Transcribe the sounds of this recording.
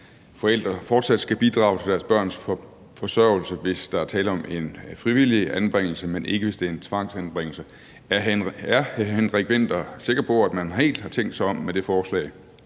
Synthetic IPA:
fɒ̽el̰d̥ʁɐfɒːd̥sæd̥sɡ̥æb̥id̥ʁɑ̈ʊt͡sʰe̝d̥æɐsb̥ɶɐ̰ns | fɒ̽sɶʊl̩səʋe̝sd̥ɑ̈æɐt͡sʰɛːləɒ̽me̝nfʁiʋiliænb̥ʁeŋ̰l̩səmenʔe̝ɡ̥əʋe̝sd̥e̝æɐe̝nt͡sʰʋɑ̈ŋ̰sænb̥ʁeŋ̰l̩sə | æɐnæɐhhænʁeɡ̥ʋen̰d̥ɒ̽se̝ɡ̥ɐpʰɒ̽æd̥mænhe̝̰ːld̥hɑ̈t͡sʰeŋ̰ɡd̥sɑ̈ɪɒ̽mːed̥e̝fɒːslɛ̰ɪ

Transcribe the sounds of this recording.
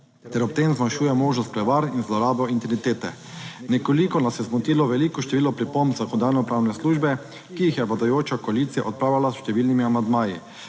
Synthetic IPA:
t̪ɛɾɔp̚t̪emzmanʃuːjɛmoːʒnɔst̪̚pɾɛʋaɾninzlɔɾaːbɔint̪init̪eːt̪ɛ | nɛkolikɔnasɛzmɔt̪iːlɔʋɛlikɔʃt̪ɛʋiːlɔpɾipombzakɔnd̪aːɾnɔpɾaːwnɛsluːʒbɛ | kijixjɛblad̪ajoːt͡ʃakɔaliːt̪sija̰ʔɔt̪̚pɾaːwlalasʃt̪ɛʋiːlnimiamand̪maːji

